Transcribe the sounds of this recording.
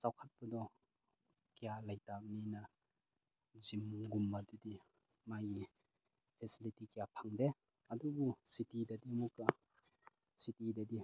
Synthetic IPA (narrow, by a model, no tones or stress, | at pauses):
t͡ʃawkʰat̚pɐdɔ | kijalajtak̚ninɐ | zimɡumːɐdudi | maɡi | pʰesilitikijapʰaŋde | ɐdubusitidɐdimukːɐ | sitidadi